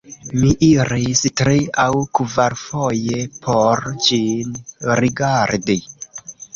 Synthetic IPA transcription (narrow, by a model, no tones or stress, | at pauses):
miʔiɾistɾiawkvaɾfojepʰoɾd͡ʒinɾiɡaɾdi